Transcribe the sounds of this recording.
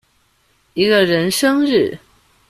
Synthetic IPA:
i˧˥ɡə˧ɻə˧˥nʂɤ˥ŋɻ̩˥˩

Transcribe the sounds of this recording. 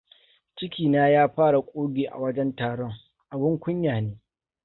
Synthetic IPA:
t͡ʃɪ˦kʲiː˨naː˦jaː˦ɸaː˦ɽa˨kʷʼoː˦ɡʲeː˨ʔa̰˨wɐ˦d͡ʒɛ˦ntaː˨ɽɔ˦ŋ | ʔa˨bʊ˦ŋkʷʊ˦ɲjaː˨neː˦

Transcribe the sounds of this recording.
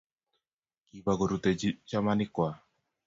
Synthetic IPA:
ki˨βa˨ɣo˨ɾu˨t̪ɛ˨it͡ʃa˦mani˦kwa˨

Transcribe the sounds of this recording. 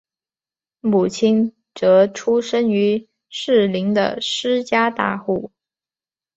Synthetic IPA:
mu˨˩t͡ɕʰi˥n | ʈ͡ʂɤ˧˥ʈ͡ʂʰu˥ʂə˥ŋy˧˥ | ʂɻ̩˥˩li˧˥ŋd̪ə̰˧ʂɻ̩˥t͡ɕja˥t̪a˥˧xu˥˩

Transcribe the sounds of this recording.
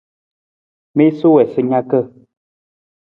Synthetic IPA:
me˦so˦wɛ˨sɨ˦ɲa˦kə˦˨

